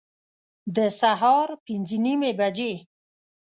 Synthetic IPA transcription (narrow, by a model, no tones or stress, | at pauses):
d̪əsaɦɑɾpinzənimebad͡ʒe